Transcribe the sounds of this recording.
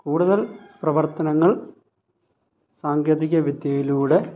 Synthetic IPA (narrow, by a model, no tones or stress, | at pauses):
kuːɽuðɐlprɐʋɐrt̪ɐnɐŋːɐɭ | saːŋɡjɐðiɣʲɐʋid̪jɐjiluːɽe̞